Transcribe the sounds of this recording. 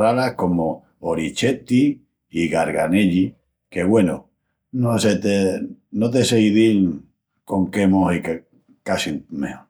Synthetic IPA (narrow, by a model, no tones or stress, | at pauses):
alahko̞mo | oɾit͡ʃe̞t̪iː | ɣaɾɣaneʎi | ke̞ɣwe̞no | noset̪enot̪̬eseiðil | ko̞ŋkemohike | kasimḛho